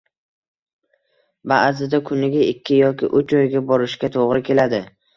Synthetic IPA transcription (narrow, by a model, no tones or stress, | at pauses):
baʔzɪd̪akʰʊnɪɡʲaɪkʲʰːɪjɒkʲɪ̰ʔʊt͡ʃɒjɡʲabɒɾɪʃkʲat̪ʰoʁɾɪkʲʰe̞lad̪ɪ